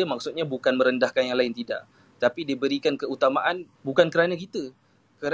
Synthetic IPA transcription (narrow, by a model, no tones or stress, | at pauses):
əmak̚sut̪̚ɲabukanmə̃ɾəndahkanjaŋlaɪnt̪ida̰ʔ | t̪apidiəbəɾikankəut̪amaʔan | bukankəɾanakit̪ə | kəɾ